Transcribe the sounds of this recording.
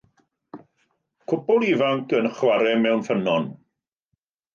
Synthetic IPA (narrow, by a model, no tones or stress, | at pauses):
kʰʊpɔlˠivaŋkənχwaɾɛmɛwnfənɔn